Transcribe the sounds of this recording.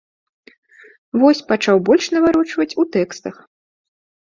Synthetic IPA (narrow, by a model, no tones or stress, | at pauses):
vɔsʲpat͡ʂawbɔlʲʂnɐvaɾɔt͡ʂvɐt͡sʲut̪ɛkst̪ɐx